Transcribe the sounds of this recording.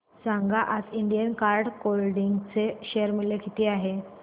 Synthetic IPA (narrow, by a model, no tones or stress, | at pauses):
sãŋɡaʔasiɳɖijənkaɾɖkolɖiŋɡt͡seɕeəɾmilekit̪iaɦe